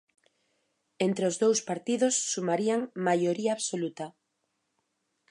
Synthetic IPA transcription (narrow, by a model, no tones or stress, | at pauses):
ent̪ɾeozðowspaɾt̪iðosːumaɾiaŋmajoɾiaːβsolut̪a